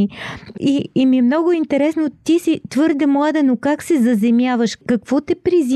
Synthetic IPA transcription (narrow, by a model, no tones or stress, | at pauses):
iiimiɛmnɔɡʊint̪ɛɾɛsnot̪isit̪vɤɾd̪ɛmlˠad̪ɛnokaksɛzɐzɛmʲjavəʃkɐkv̥ɔt̪ɛpɾiz